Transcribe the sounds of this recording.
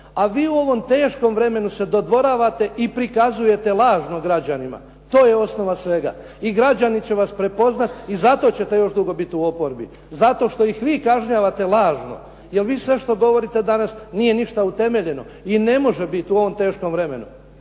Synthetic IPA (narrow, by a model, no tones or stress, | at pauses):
aʋiːuo̞ʋo̞mt̪e̞ːʃko̞mʋɾe̞me̞nuse̞d̪o̞d̪ʋo̞ɾaːʋat̪e̞ʔipɾikazuje̞t̪e̞lˠaːʒno̞ɡɾad͡ʑanima̰ | t̪o̞ːje̞o̞sno̞ʋasʋe̞ɡa̰ | iɡɾad͡ʑanit͡ɕe̞ʋaspɾe̞po̞znat̪izat̪o̞t͡ɕe̞t̪e̞jo̞ʃd̪uɡo̞bit̪uo̞po̞ɾbi | zat̪o̞ʃt̪o̞jixʋiːkaʒɲaʋat̪e̞lˠaːʒno̞̰ | je̞lʋiːsʋe̞ʃt̪o̞ɡo̞ʋo̞ɾit̪e̞d̪anasniːje̞niʃt̪aut̪e̞me̞ʎe̞no̞ | ine̞mo̞ʒebit̪uo̞ʋo̞mt̪e̞ːʃkomʋɾe̞me̞̰nṵ